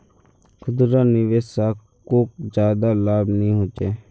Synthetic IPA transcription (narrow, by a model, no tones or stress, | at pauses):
kʰʊd̪ɾaːnɪʋeːsaː | koːk̚d͡ʒaːd̪aːlaːbnəĩːɦoːt͡ʃeː